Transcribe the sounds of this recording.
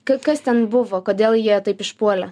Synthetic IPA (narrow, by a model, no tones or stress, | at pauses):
kɐkɐst̪ʲɛnbʊʋoːkoːd̪ʲeːlˠjiɛt̪ɐɪpɪʃpuɔlʲɛ